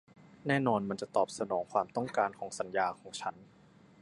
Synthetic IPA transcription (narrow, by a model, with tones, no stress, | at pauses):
nɛː˥˩nɔː˧nma˧nt͡ɕa˨˩t̪ɔː˨˩p̚sa˧nɔː˩˦ŋkʰwaː˧mt̪ɔ˥˩ŋkaː˧nkʰɔː˩˦ŋsa˩˦njaː˧kʰɔː˩˦ŋt͡ɕʰa˦˥n